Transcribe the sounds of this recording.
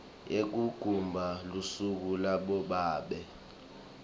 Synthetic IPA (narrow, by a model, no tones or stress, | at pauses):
ek̬uɡ̥ʱumbʱalusuk̬ulaɓɔɓaːɓɛ